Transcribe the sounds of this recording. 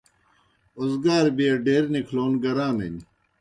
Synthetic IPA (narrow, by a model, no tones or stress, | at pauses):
ozɡaːɾbiɐɖeːɾnikʰloːnɡɐɾaːmḛn